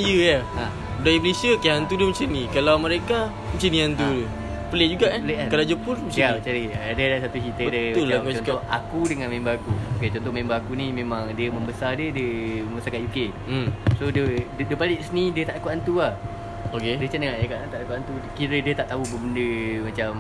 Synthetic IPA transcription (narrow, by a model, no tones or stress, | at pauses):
jəjaa | daiplesəkiɦant̪udəmət͡ʃənĩkalawməɾeka | mət͡ʃənĩant̪udə | pəleʔd͡ʒuɡaʔpəleʔakalad͡ʒəpʊlməat͡ʃaɾiadədaʔsat̪ut͡ʃit̪ədəuaat͡ʃɔnk̪ɔakudəŋanmẽmbaakuoket͡ʃɔnt̪ɔmẽmbaːkunĩmẽmãŋdiəmə̃mbəsadiədiəməməsakaʔ̪juke | sodəddəpaliʔsənĩdiət̪aʔakuʔant̪uah | okedət͡ʃanəŋaʔjakaʔnat̪aʔ̪akuant̪ukiɾədiət̪aʔt̪aɦubəbəndəmat͡ʃam